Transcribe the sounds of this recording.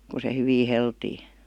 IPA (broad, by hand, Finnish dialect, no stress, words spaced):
ku se hyʋi heltiː